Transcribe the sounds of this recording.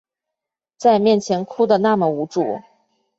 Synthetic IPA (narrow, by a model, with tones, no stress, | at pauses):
t͡sa˥˧ɪmjɛ˥˩nt͡ɕʰjɛ˧˥nkʰu˥d̪ə˨na˥˩mə˩u˧˥ʈ͡ʂṵ˥˨˩